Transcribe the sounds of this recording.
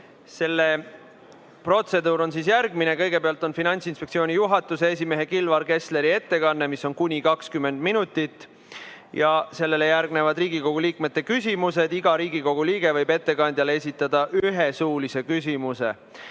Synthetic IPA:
se̞lːe̞ | pro̞t̪se̞d̪uːɾo̞nsiːs̬jærɡ̥mine̞kɤ̞jɡ̥e̞peɑlt̪ˑo̞nfinɑnʲsinspekt̪sio̞ːnijuɦɑt̪ːˑusees̬ʲime̞ɦe̞kilvɑɾke̞sle̞ɾie̞t̪ːe̞kɑnːe̞misːo̞nkunʲikɑkskymːe̞nd̪minut̪ːˑit̪ːˑ | jɑse̞lːe̞le̞jæɾɡne̞vɑd̪riːɡiko̞ɡ̥uliːkme̞t̪ːe̞kysʲimuse̞d̪̥iɡ̥ɑɾiːɡiko̞ɡ̥uliːɡ̥e̞vɤjbe̞t̪ːe̞kɑnʲd̪̥ʲjɑlee̞sʲit̪ːˑɑd̪̥ɑʔyɦe̞suːlise̞kys̬ʲimuse̞̰

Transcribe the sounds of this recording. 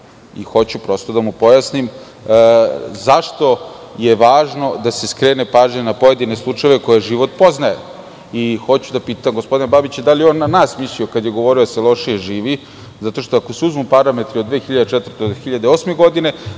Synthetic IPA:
ḭxo̞t͡ɕupɾo̞st̪o̞d̪amupo̞jasnim | zaʃt̪o̞ | je̞ʋaːʒno̞d̪ase̞skɾe̞ːne̞paːʒɲenapo̞je̞d̪ine̞slˠut͡ʂajeʋe̞ko̞jeʒiʋo̞t̪po̞znajḛ | ixo̞t͡ɕud̪apiːt̪amɡospo̞d̪inababit͡ɕd̪alijeo̞nːanaːsmisliokad̪je̞ɡo̞ʋo̞ɾid̪aselˠo̞ʂijeʒiːʋi | zat̪o̞ʃt̪oako̞seuzmupaɾame̞t̪ɾiod̪ʋe̞ːxiʎad̪et͡ʃɛt̪vəɾ̩t̪exiʎad̪eoːsme̞ɡo̞d̪ine̞

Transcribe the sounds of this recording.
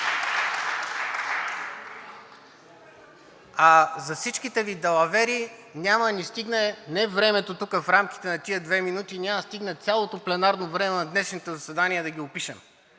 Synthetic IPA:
azɐfsit͡ʃkit̪ɛvid̪ɛlˠɐvɛɾinʲamɐd̪ɐnist̪iɡnɛnɛvɾɛmɛt̪ot̪ukəfɾamk̟i̥t̪ɛnɐt̪iəd̪vɛminut̪inʲaməst̪iɡnət̪sʲalˠot̪oplɛnaɾnovɾɛmɛnɐd̪nɛʃnit̪ɛzɐsɛd̪aniɛd̪ɐɡʲiʊpiʃɛm

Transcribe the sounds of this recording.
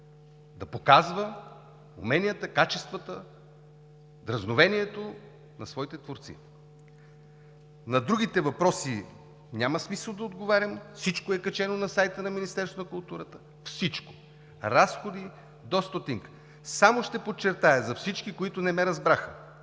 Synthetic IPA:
d̪ɐpokazvə | ṵmɛnʲijət̪əkat͡ʃɛst̪vət̪ə | d̪ɾɐznovɛniɛt̪o | nɐsvɔit̪ɛt̪voɾt̪sḭ | nɐd̪ɾuɡit̪ɛvɐpɾɔsi | nʲaməsmisəlˠd̪ɐod̪ɡovaɾʲəmfsit͡ʃkoɛkɐt͡ʃɛnonɐsajt̪ənɐminist̪ɛɾsonɐkʊlˠt̪uɾət̪ə̥ | fsit͡ʃko̥ | ɾasxod̪i | d̪ɔst̪ot̪iŋk | samoʃt̪ɛpot͡ʃːɛɾt̪ajəzɐfsit͡ʃkikoit̪ʊnɛmɛɾɐzbɾaxə̰

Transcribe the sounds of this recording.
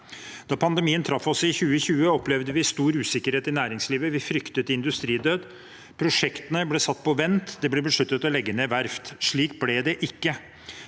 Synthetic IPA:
d̪ɑpʰɑnd̪ɛmiːənt̪ʰɾɑfːɔsɪçʉːəçʉːəɔplɛʋd̪əʋɪst̪uːɾʉːsɪkːəɾheːt̪ɪnæːɾɪŋsliːʋəʋɪfɾʏkt̪ət̪əɪnd̪ʉst̪ɾiːd̪øːd̪ | pʰɾʊʂɛkt̪ənəblɛsɑt̪ːpɔʋɛnt̪d̪ɛblɛbəʂɭʉt̪ːət̪ɔlɛɡːəneːʋæɾft̪ʂɭiːkblɛd̪ɛʔɪkːə

